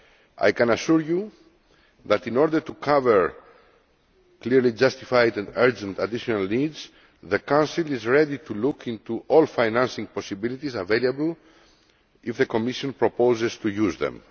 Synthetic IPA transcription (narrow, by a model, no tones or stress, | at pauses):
ʔa̰jkãnaʃuɹju | ðat̪ĩnɔɾd̪ə˞t̪ukʰavəɹ | kliɹlid͡ʒʌst̪ifajd̪ãnəɹd͡ʒɛ̃nt̪ad̪iʃonalnidz | ðəkãwnsilizɹɛd̪it̪ʰulukʰĩnt̪uʔɔlfajnãnsĩŋpɔsibilit̪izavelabl̩ | ifðəkomiʃõnpɹopozezt̪ujuzðɛ̰̃m